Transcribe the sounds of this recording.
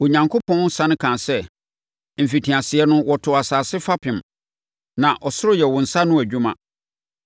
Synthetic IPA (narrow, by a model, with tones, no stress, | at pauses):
wo˨ɲã˨ŋkʰo˦pʰɔ̃˦n˦sã˨nɪ̃˦kʰã˨sɛ˦ | m̩˨fi˨tʰĩ˨a˨sɪ˨ɛ˦nʊ̃˦wɔ˨tʰʊ˨a˨saː˨sɪ˦fa˦pʰɪ̃˨m | nã˨ʔɔ˨sʊ˦ɾʊ˦jɛ˨wʊ̃˨n̩˨sa˦nʊ̃˦æ˨d͡ʑᶣu˦mã̰˦˨